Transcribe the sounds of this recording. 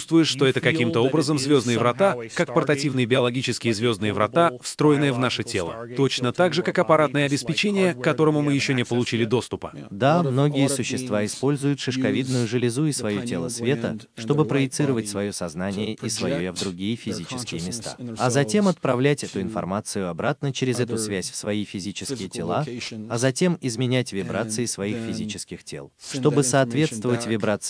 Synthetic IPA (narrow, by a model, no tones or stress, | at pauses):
ust̪vʊjɪʂt̪o̞ɛt̪əkɐkʲimt̪əo̞bɾəzəmzvʲo̞znɨjəvɾɐt̪akakpərt̪ɐtʲivnɨjəbʲɪɐlˠɐɡʲit͡ɕɪskʲɪjəzvʲo̞znɨjəvɾʔɐ̰t̪afst̪ɾo̞jɪnɨjəvnaʂɨtʲe̞lˠə̰t̪o̞t͡ɕnət̪aɡʐɨkakɐpɐɾat̪nəjəɐbʲɪspʲɪt͡ɕenʲɪjəkːɐt̪o̞ɾəmʊmɨjɪɕːonʲɪpəlˠʊt͡ɕilʲɪd̪o̞st̪ʊpə̥d̪amno̞ɡʲɪjəsʊɕːɪst̪vaɪspo̞lʲzʊjʊt̪ʂɨʂkɐvʲid̪nʊjʊʐɨlʲɪzuɪsvɐjotʲe̞lˠəsvʲe̞t̪ə | ʂt̪o̞bɨpɾəjɪt̪sɨɾəvətʲsvɐjosɐznanʲɪjəʔisvɐjojavd̪ɾʊɡʲijəfʲɪzʲit͡ɕɪ̥skʲɪjəmʲɪst̪a̰ɐzɐtʲe̞mɐt̪̚pɾɐvlʲætʲɛt̪ʊɪnfɐ̰rmat̪sɨjʊɐbɾat̪nət͡ɕeɾʲɪzɛt̪ʊsvʲæsʲfsvɐifʲɪzʲit͡ɕɪskʲɪjətʲɪlˠaɐzɐtʲe̞mɪzmʲɪnʲætʲvʲɪbɾat̪sɨɪsvɐixfʲɪzʲit͡ɕɪskʲɪxtʲe̞̰lˠʂt̪o̞bɨsɐːt̪vʲe̞t̪st̪vəvətʲvʲɪbɾat̪s